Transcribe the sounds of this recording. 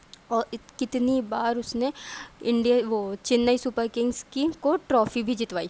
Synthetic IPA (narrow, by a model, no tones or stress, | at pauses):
ɔːɾkɪt̪nibaːɾʊsneɪ̃ɳɖijaʋot͡ʃɪnːəisʊpəɾkɪ̃ŋɡzkikoʈɾɔːfibʱid͡ʒɪt̪ʋaːiː